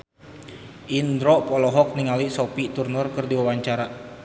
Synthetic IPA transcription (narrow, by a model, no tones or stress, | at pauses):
ʔind̪ɾɔpɔlɔɦɔk̚niŋalisɔpit̪urnurkɨrdiwawaɲt͡ʃaɾa